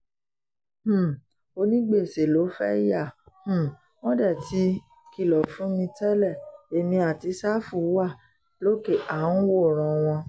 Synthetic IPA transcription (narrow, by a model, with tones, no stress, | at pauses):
h̩˦˨ | o˧nĩ˦ɡ͡be˦˨se˨lo˨˦fɛ˦ja˦˨ | h̩˦˨ | mɔ̃˦dɛ˦˨tʰi˦ | ki˦˨lɔ˨fũ˨˦mĩ˧tɛ˦lɛ˦˨e˨mĩ˧a˨ti˨˧sa˦fu˨˦wa˦˨ | lo˦ke˦˨ʔa˨˦n̩˦wo˦˨ɾ̃ɔ̃˨w̃ɔ̃˧